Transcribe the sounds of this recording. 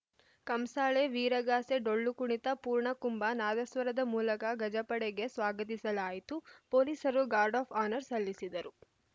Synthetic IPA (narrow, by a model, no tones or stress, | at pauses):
kɐmsaːɭeʋiːɾɐɡaːseɖoɭːukuɳit̪ɐpuːɾɳɐkumbɐnaːd̪ɐsʋɐɾɐd̪ɐmuːlɐkɐɡɐd͡ʒɐpɐɽeɡe̞sʋaːɡɐt̪isɐlaːjit̪upoːliːsɐɾuɡaːɾɖaːpʰaːnɐɾsɐlːisid̪ɐɾu